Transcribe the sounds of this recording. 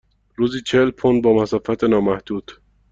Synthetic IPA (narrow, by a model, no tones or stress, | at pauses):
ɾuːziːt͡ʃʰelpʰond̪̚bɒːmæsɒːfæt̪ʰenɒːmæhd̪̥uːd̪̥